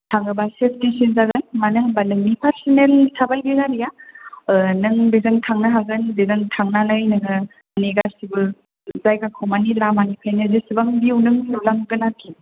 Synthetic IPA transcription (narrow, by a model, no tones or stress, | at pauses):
tʰaŋɯbasepʰtisinzaɡɯnmanɯɦabanɯŋnipʰaɾsinelsʰabalɡeɡaɾija | nɯŋbezɯŋtʰaŋnaɦaɡɯnbezɯŋtʰaŋnanɯjnɯŋɯ | aniɡaɾsibɯ | zajɡakʰomanilamanipʰajnizisɯbaŋbiuwnɯŋsulaŋɡɯnatʰi